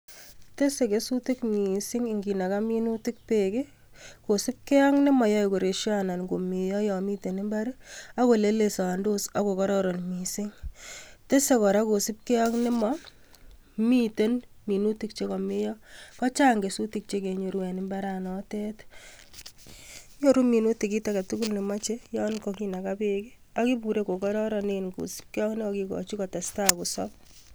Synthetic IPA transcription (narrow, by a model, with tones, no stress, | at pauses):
te˦se˨ke˨su˦ti˦kmi˨sɪ˦ŋɪ˨ŋɡi˨na˨ka˦mi˦nu˦tɪ˦k̚pe˨kɪ˦ | ko˨sɪ˦p̚ke˦ɔ˦ŋnɪ˦mɔ˨jɔ˦i˨ko˨ɾe˨ʃjana˨nɡo˨mɪ˨jɔ˦jɔ˨mi˦te˨nɪ˦mba˦ɾa˦ko˨le˦le˨sa˨ndo˦sa˦ko˨kɔ˦ɾɔ˦ɾo˨nmi˨sɪ˦ŋ | te˦se˦kɔ˨ɾa˦ko˨sɪ˦p̚ke˦ɔ˦knɪ˦mɔ | mi˦te˦n | mi˨nu˦ti˦k̚t͡ʃe˦kɔ˨mɪ˦jɔ˦kɔ˦t͡ʃa˦ŋɡe˨su˦tik̚t͡ʃe˦ke˨ɲo˨ɾwɛ˨nɪ˦mba˦ɾanɔ˦te˦t | ɲo˦ɾu˦mi˨nu˦ti˨ki˦ta˨ka˨tu˦ku˦lnɪ˨ma˦t͡ʃe˦jɔ˦nkɔki˦na˨kapeki˦ | a˦ki˦pu˨ɾe˦ko˨kɔ˦ɾɔ˦ɾɔ˨nenkṵ˨si̥˦p̚ke˦jɔ˦knɪ˦ɔkikɔ̰˨t͡ʃi˦kɔ˨ta˨sta˦ku˨sɔ̰p̚